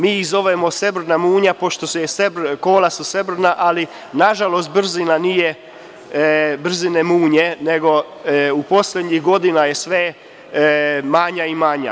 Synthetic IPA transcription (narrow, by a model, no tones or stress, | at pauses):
miːizo̞ʋemo̞se̞br̩namuːɲapo̞ʃt̪o̞sujesebrko̞ːlasuse̞br̩naʔali | naʒalo̞s̬t̪̚br̩zinanije | br̩zinemuːɲe̞ne̞ɡo̞ | upo̞slʲed̪ɲixɡo̞d̪inaje̞sʋe | maɲaimaɲa̰